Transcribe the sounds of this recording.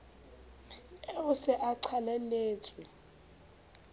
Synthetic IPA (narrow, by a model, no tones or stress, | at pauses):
eusɛʔaǀʰalɛleːtʰi